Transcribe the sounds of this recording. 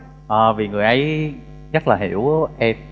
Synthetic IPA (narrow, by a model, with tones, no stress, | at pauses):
ʔəː˨˩vi˨˩ŋɨ˨˩əjʔə˨˦j | ɣə˦˥t̚laː˨˩ɦḭ˧˩˦əwʔɛ˧m̚